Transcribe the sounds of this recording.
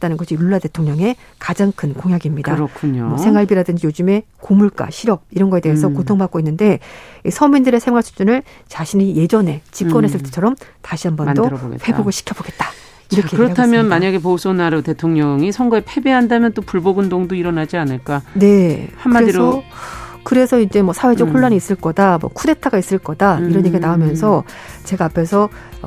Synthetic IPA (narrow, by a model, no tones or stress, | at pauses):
t͈anɯnɡʌɕʰijuɭːate̞tʰoŋɲʌŋe̞ | kad͡ʑaŋkʰɯnkoŋjaɡimɲidaɾʌkʰuɲomʌsʰe̞ŋaɭbiɾadɯnd͡ʑijod͡ʑume̞ | komuɭk͈a̰ɕʰiɾʌb̚iɾʌnɡʌe̞de̞ɦesʰʌkotʰoŋbak͈̚oinːɯnde̞isʰʌmindɯɾe̞sʰe̞ŋwaɭsʰu̥t͡ɕ͈unɯɭ | t͡ɕaɕʰiɲije̞d͡ʑʌne̞t͡ɕip̚k͈ʌnɦes͈ʰɯɭt͈et͡ɕʰʌɾʌmtaɕʰiɦambʌdoboɡḛtɸwe̞boɡɯɭɕʰi̥kʰjʌboɡe̞t̚t͈ḁ | iɾʌkekɯɾʌtʰamjʌnmaɲaɡe̞pousʰonaɾote̞tʰoŋɲʌŋisʰʌŋɡʌepʰe̞beɦandamjʌnt͈opuɭboɡɯndoŋdoiɾʌnad͡ʑianɯɭk͈ane̞hamɾesʌ | kɯɾe̞sʰʌind͡ʑe̞mʌsʰawe̞d͡ʑʌhoɭːaɲiːs͈ɯɭk͈ʌdamwʌ̰kʰude̞tʰaɡais͈ɯɭk͈ʌdaiɾʌnjeɡenaomjʌns̬ʰʌ | t͡ɕe̞ɡaːpʰe̞sʰʌ